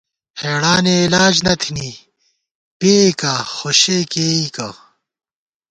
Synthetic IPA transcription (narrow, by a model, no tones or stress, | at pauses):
heːɽaːneːlaːd͡ʑnɐt̪ʰini | peekaxoɕekeːika